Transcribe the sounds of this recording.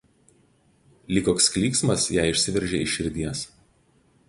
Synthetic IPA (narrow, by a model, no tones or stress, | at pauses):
lʲiːkɔːkskʲlʲiːksmɐsjæːˑɪɪʃʲsʲɪʋʲɛɾʲʒʲeɪʃʲɪɾʲd̪ʲiɛs